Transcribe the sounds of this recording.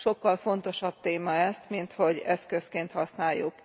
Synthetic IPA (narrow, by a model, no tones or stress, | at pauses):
ʃo̞kːɒlfo̞nt̪o̞ʃɒb̥̚t̪eːmɒɛst̪mint̪ho̞ɟɛskøskeːnt̪hɒsnaːjːṵk